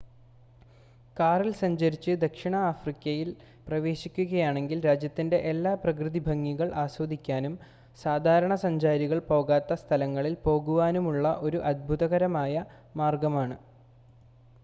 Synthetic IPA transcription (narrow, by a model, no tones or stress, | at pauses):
kaːrilsɐɲd͡ʑɐɾit͡ɕːɨd̪ɐkʂiɳɐːfrikʲːɐjil | prɐʋe̞ːɕikʲːuɣɐjaːɳe̞ŋɡilɾaːd͡ʑjɐt̪ːinde̞ʔelːaːprɐkrɨðibʱɐŋːiɣɐɭʔaːswɐd̪ʱikʲːaːnum | saːd̪ʱaːɾɐɳɐsɐɲd͡ʑaːɾiɣɐɭpo̞ːɣaːt̪ːɐst̪ʰɐlɐŋːɐɭilpo̞ːɣuʋaːnumuɭːɐʔo̞ɾuʔɐd̪̚bʱuðɐɣɐɾɐmaːjɐ | maːrɡɐmaːɳɨ